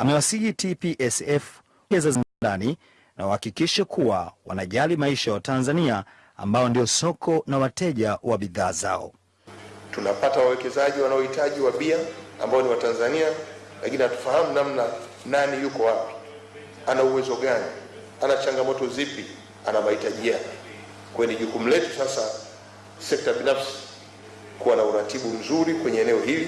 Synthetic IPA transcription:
amɛwasihitipiʔɛsɛf | ɛzazdani | nawahakikiʃakuwawa̰naʄalimaiʃajawatanzania̰ː | mbaɔndiɔsɔkʰɔnawatɛʄawaɓiðaːza̰ɔ̰ | tunapatawawɛkɛzaʄiwanaɔhitaʄiwaɓiaa̰mbaɔniwatanzania | lakinihatu̥fahamunamna | nanijukɔwapi̥ | anauwɛzɔɠani | anat͡ʃaŋɡamɔtɔzipi | anamahitaʄijaɛ | kwɛniʄukum̩lɛtu̥sasa | sɛk̚taɓinafsi̥ | kuwanauɾatiɓum̩zuɾikwɛɲɛːnɛɔhili

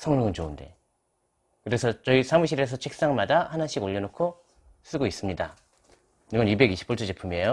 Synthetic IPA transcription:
sʰʌŋɾɯŋɯnt͡ɕounde̞̰ | kɯɾe̞sʰʌt͡ɕʌisʰamuɕ̬ʰiɾe̞s̬ʰʌt͡ɕʰek̚s͈aŋmadahanaɕʰiɡoʎːʌnokʰo | s͈ɯɡois͈ɯmɲida | iɡʌnibe̞ɡiɕʰi̥p͈ʰuɭt͡ɕ͈ʰod͡ʑepʰɯmejo

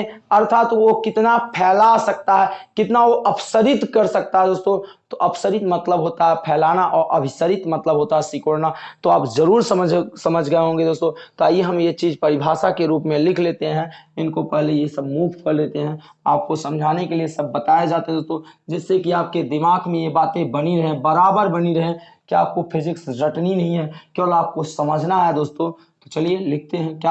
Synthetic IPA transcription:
ɐɾt̪ʰaːt̪ʋokɪt̪napʰɛːlasɐk̚t̪aɦɛkɪt̪naʋoʔɐpʰsəɾɪt̪kɐɾsɐk̚t̪aɦɛd̪oːst̪õt̪oʔɐpʰsəɾɪt̪mɐt̪ləbɦoːt̪aɦɛpʰɛːlaːnaʔɔːɾʔɐbʱɪsəɾɪt̪mɐt̪ləbɦoːt̪aɦɛsɪkoːɽnat̪oaːpzɐɾuːɾsəməd͡ʒsɐməd͡ʒʱɡɐeɦõːŋɡed̪oːst̪õt̪oaːieɦɐmjet͡ʃiːzpɐɾɪbʱaːsakeɾuːpmẽlɪkʰleːt̪eɦɛ̃ɪnkopɛɦlejesəbmuːʋkəɾleːt̪eɦɛ̃ | aːp̚kosɐ̃md͡ʒʱaːnekeliesɐbːɐt̪aːed͡ʒaːt̪eɦɛ̃d̪oːst̪õd͡ʒɛːsːekiaːp̚ked̪ɪmaːɡmẽjebaːt̪ẽbɐniɾɐɦẽbɐɾaːbəɾbɐniɾɐɦẽ | kia̰ːp̚kopʰɪzɪksɾəʈninɐɦĩɦɛkjoːlaːp̚kosɐməd͡ʒʱnaɦɛed̪oːst̪õ | t̪ot͡ʃɐlielɪk̚ʰt̪eɦɛ̃kja

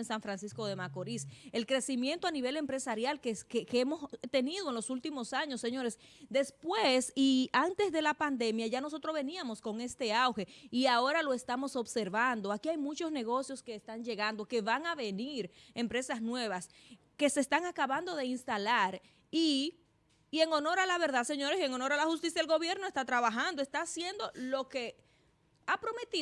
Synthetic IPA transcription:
ensaɱfɾansisko̞ðe̞mako̞ɾise̞lkɾe̞simjẽ̞nt̪oaniβe̞le̞mpɾe̞saɾjalkekekeemo̞st̪e̞niðo̞enlo̞sult̪imo̞saɲo̞sːeɲo̞ɾesd̪e̞spwesiant̪e̞sðe̞lapand̪e̞mjaʝano̞s̬o̞t̪ɾo̞zβe̞niamo̞sko̞ŋe̞st̪e̞awxe̞iao̞ɾalo̞e̞st̪amo̞so̞bse̞ɾβand̪o̞akiajmut͡ʃo̞sne̞ɣ̞o̞sjo̞ske̞ːst̪aŋʝe̞ɣand̪o̞ke̞βaŋaβe̞niɾe̞mpɾe̞sasnwe̞β̞as | ke̞se̞ːst̪aŋakaβand̪o̞ðe̞inst̪alaɾ | i | eŋo̞no̞ɾalaβe̞ɾðase̞ɲo̞ɾese̞ŋo̞no̞ɾalahust̪isjaelɡo̞βje̞ɾno̞e̞st̪at̪ɾaβaxand̪oe̞st̪asjend̪o̞lo̞ke̞ | apɾo̞me̞t̪i

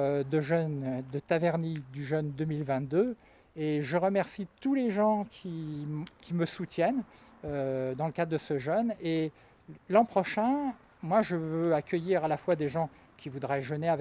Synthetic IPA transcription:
d̪əʒœnd̪ət̪avɛʁnid̪yʒœnd̪əmilvɛ̃t̪̚d̪ø | eʒəʁəmɛʁsit̪uleʒɑ̃kʲʰikʲiməsut̪jɛn | ød̪ɑ̃ləkad̪ʁd̪əsəʒœne | lɑ̃pχɔʃɛ̃ | mwaʒəvøakʲəjiʁalafwad̪eʒɑ̃ | kʲivud̪ʁɛʒəneav

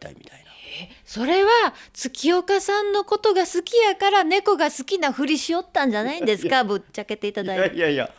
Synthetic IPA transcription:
t̪a̰ḭmʲit̪ainaeso̞ɾe̞βat͡sɨkʲio̞kasãnːo̞ko̞t̪o̞ɡasɨkʲijakaɾane̞ko̞ɡasɨ̥kʲinaɸɯ̟ɾʲiɕio̞t̪ːãɲ̟d͡ʑanaĩnd̪e̞sɨ̥kabɯ̟t͡ɕːake̞t̪e̞it̪ad̪aia̰

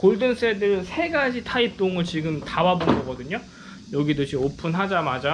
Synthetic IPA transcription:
koɭdɯns͈ʰedɯɾɯnsʰe̞ɡad͡ʑitʰaip̚t͈oŋɯɭt͡ɕiɡɯmtawabonɡʌɡʌdɯɲo | jʌɡidot͡ɕimopʰunɦad͡ʑamad͡ʑa

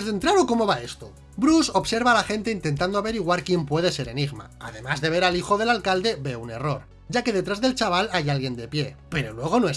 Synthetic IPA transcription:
zðe̞nt̪ɾaɾoko̞mo̞βaest̪o | bɾuso̞bse̞ɾβaːlaxe̞nt̪e̞int̪e̞nt̪and̪oaβe̞ɾiɣ̞waɾkje̞mpwe̞ð̞e̞se̞ɾe̞niɣma̰a̰ðe̞mazðe̞β̞e̞ɾalixo̞ðe̞lalkald̪e̞βe̞une̞ro̞ɾ | ɟ͡ʝake̞ðe̞t̪ɾazðe̞lt͡ʃaβ̞alajalɣje̞nd̪e̞pje̞pe̞ɾo̞lwe̞ɣ̞o̞noe

